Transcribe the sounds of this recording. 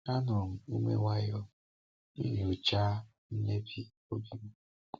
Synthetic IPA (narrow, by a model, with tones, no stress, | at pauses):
a˦nʊ˨m̩˨u˦mḛ˦wa˦jɔ˦ | i˦ɲ˨u˨t͡ʃa˦ | n̩˦ne˦bi˨ | o˦bi˦m̩˦